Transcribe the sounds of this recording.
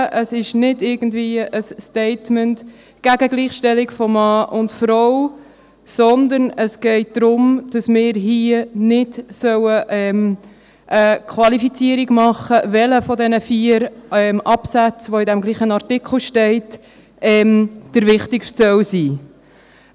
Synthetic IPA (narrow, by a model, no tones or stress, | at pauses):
ʔəsɪʃnɪdɪɾɡən̩dviːəʔəsːtɛɪtmənt | ɡ̥æɡəɡliːχʃtɛlɪɡfɔmɑːʔʊntfɾɔw | sɔnd̪əɾnəsɡ̥ɛɪt̚d̪̥ɾʊmd̥ɑsmɪːɾɦiənɪdsœwəʔɛm | ʔəkʰvɑlifit͡siːəɾiɡmɑχːəvɛləfɔdɛnəfiːəɾɛmʔɑpsæt͡sʋoɪdɛmɡliːχənɑɾtikʰl̩ʃtɛɪt | ɛːmd̥əɾvɪχtɪkʃtsœwsiː